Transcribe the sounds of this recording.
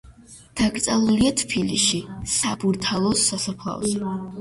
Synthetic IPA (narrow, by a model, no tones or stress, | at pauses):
d̪̥aɡʼt̪sʼalˠuliat̪ʰpʰilḭʃisabuɾt̪ʰalˠɔsːasapʰla̰vɔz